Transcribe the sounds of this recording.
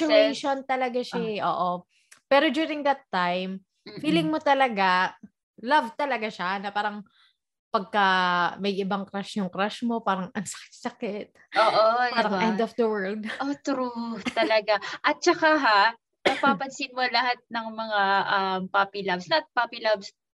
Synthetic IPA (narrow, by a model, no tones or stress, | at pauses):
ʊɛjʃont̪ɐlɐɡaʃɪʔoːʔo | pɛːɾod͡ʒ̪juɾɪŋd̪ɐt̪ːajm | fiːlɪŋmot̪ɐlɐɡa | lɐvt̪ɐlɐɡaʃanɐpaːɾɐŋ | pɐɡ̚kɐmɐjʔɪbaŋkɾaʃjʊŋkɾaʃmo̞paːɾɐŋʔɐŋsɐ̥kɪ̥t̪̚sɐkɪt̪̚ʔoːʔopaːɾɐŋʔɛnd̪ɔfd̪ɐwɛ˞ld̪ʔot̪ɾut̪ɐlɐɡaʔɐt̪̚t͡ʃɐkaɦa | nɐpaːpɐnsɪnmolɐhat̪̚nɐŋmɐŋaʔɐmpapilɐbsnɐt̪̚papɪlabs